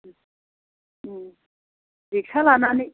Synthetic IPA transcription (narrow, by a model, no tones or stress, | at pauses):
dik̚t͡ɕʰalanani